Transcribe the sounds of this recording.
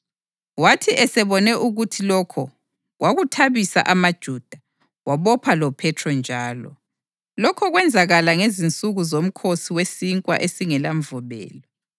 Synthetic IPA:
watʰiʔɛsɛβɔnɛʔuɣutʰilɔkʰɔ | ɣwaɣutʰaβisa̰ʔamad̥ʒ̥ʱuːd̥ʱa | waβɔpʰalɔpʰɛtʰrɔnd͡ʒʱaːlɔ̰ | lɔkʰɔɣwɛnd͡zʱaɣalaŋezint͡sʼuɣuzom̩kʰosiwesiŋkʼwa̰ʔesiŋɛlaɱvɔβɛ̰ːlɔ

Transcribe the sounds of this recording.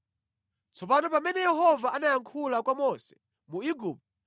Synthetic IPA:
t͡sʰɔp̬anɔp̬amɛnɛjɛɦɔvaʔanajaŋkʰulakwamɔsɛ̥ | muiɡup̚t

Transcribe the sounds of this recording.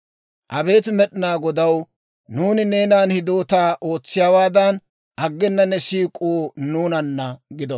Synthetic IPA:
ʔɐbe̞ːt̪mɛɗɪnaːɡɔd̪ɐw | nuːnɪne̞ːnaːnhɪd̪o̞ːt̪aːʔo̞ːt͡sːɪjaːwaːd̪ɐn | ʔɐɡːɛnːɐnːɛsiːkʼuːnuːnɐnːɐɡɪd̪ɔ

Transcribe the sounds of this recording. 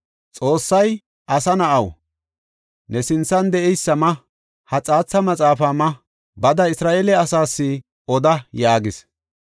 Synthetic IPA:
t͡sʼo̞ːsːɐj | ʔɐsɐnɐʔɐw | nɛsɪnt͡sːɐnd̪ɛʔɛjsːɐmɐ | hɐt͡sʼaːt͡sːɐmɐt͡sʼaːfamɐ | bɐd̪ɐɪsɾaːʔeːlɛɐsaːsːɪ | ɔd̪ɐjaːɡɪs

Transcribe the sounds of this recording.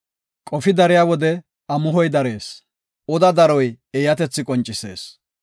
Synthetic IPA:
kʼɔfɪd̪ɐɾɪjaːwɔd̪ɛ | ɐmʊɦɔjd̪ɐɾe̞ːs | ɔd̪ɐd̪ɐɾɔj | ɛjɐt̪ɛt͡sːɪkʼɔnt͡ʃʼːɪse̞̰ːs

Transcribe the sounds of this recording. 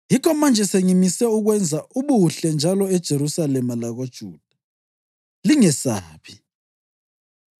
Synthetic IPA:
jikʰɔmand͡ʒʱɛseŋimisɛuɣwɛnd͡zʱauβuɬɛnd͡ʒʱalɔɛd̥ʒ̥ʱeɾusalɛmalaɣod̥ʒ̥ʱuːd̥ʱḁ | liŋɛsaːβi̥

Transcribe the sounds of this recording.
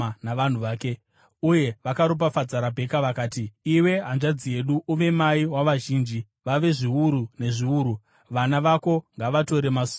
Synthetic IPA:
naʋan̤uʋaːke | uje̞ʋakaɾop̬afad͡zaɾabʱe̞kaʋakaːtiiwe̞ɦanʐad͡zije̞ɗuʔuʋe̞maiwaʋaʒiːnd͡ʒi | ʋaʋe̞ʐiuɾune̞ʐiuːɾu | ʋanaʋako̞ŋɡaʋato̞ɾe̞masu̥

